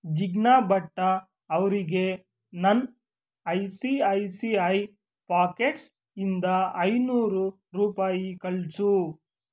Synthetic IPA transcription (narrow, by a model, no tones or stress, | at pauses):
d͡ʒiɡnaːbɐʈːɐː | ʋɾiɡe̞ | nɐn | ɐjsiɐjsiɐj | paːkeʈs | ind̪ɐɐjnuːɾu | ɾuːpaːjikɐɭsu